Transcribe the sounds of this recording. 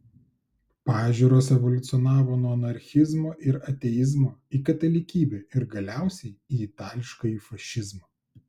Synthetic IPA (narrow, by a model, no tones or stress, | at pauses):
pɑːʒʲuːɾoːsɛʋɔlʲʊt̪sʲɔnɑːʋoːnuɔɐnɐɾʲxʲɪzmoːʔɪɾɐt̪ʲɛjɪzmoːikɐt̪ɐlʲɪkʲiːbʲeːɪɾɡɐlʲæˑʊsʲɛɪiːɪt̪ɑːlʲɪʃkɐifɐʃʲɪzmɐ